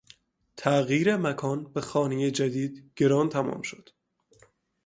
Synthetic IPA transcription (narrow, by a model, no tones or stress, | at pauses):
t̪ʰæɣjiːɾemækʰɒːnbe̞xɒːnejed͡ʒæd̪iːd̪ɡ̥e̞ɾɒːnt̪ʰæmɒ̰ːmʃo̞d̪̥